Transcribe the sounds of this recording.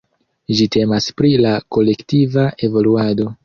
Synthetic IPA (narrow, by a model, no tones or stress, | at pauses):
d͡ʒite̞maspɾilako̞le̞ktivaʔe̞vo̞luado̞